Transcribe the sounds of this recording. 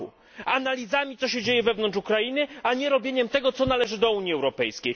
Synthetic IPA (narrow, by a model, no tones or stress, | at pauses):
ṵ | analʲizamʲit̪sɔɕɛd͡ʑejɛvɛvn̪ɔnt͡ʂukɾainɘaɲɛɾɔbʲjeɲɛmt̪ɛɡɔt̪sɔnalɛʐɘd̪ɔuɲjiɛwɾɔpɛjskʲej